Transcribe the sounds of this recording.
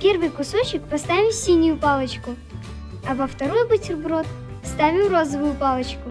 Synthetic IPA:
pʲe̞rvɨjkʊsot͡ɕɪkpɐst̪avʲɪsʲinʲʊjʊpalˠət͡ɕkʊ | ɐvəft̪ɐɾojbɨtʲɪrbrot̪ | st̪avʲɪrozəvʊjʊpalˠət͡ɕkʊ

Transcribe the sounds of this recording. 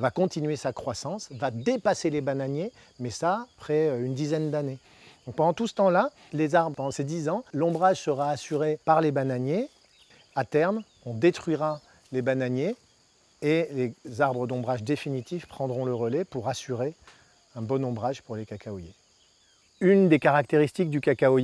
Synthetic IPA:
vakɔ̃t̪inɥesakχwasɑ̃svad̪epaselebanaɲje | mɛsapχɛøynd̪izɛnd̪ane | d̪̥ɔ̃k̚pɑ̃d̪ɑ̃t̪usə̥t̪ɑ̃la | lezaʁbpɑ̃d̪ɑ̃sed̪izɑ̃lɔ̃bʁaʒsəʁaːsyʁepaʁlebanaɲje | at̪ɛʁm | ɔ̃d̪et̪χɥiʁa | lebanaɲje | elezaʁbʁəd̪ɔ̃bʁaʒd̪efinit̪ifpχɑ̃d̪ʁɔ̃ləʁəlɛpuʁasyʁe | ɛ̃bɔnɔ̃bʁaʒpuʁlekakaɔje | ynd̪ekaʁak̚t̪eʁist̪ik̚d̪ykakaɔ

